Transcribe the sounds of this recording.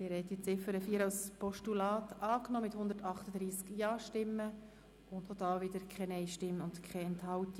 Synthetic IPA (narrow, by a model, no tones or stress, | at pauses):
mɪɾhɛt̪it͡sɪfəɾəfiːəɾawspʰɔʃtulɑːt̪ɑːknɔːmɪthʊnd̪əɾtɑχtəd̪ɾiːskjɑːʃtɪmːə | ʊndhod̥ɑːʋɪd̪əɾkʰχɛnɛɪʃtɪmʊndkʰχɛɛnthɑwt̪i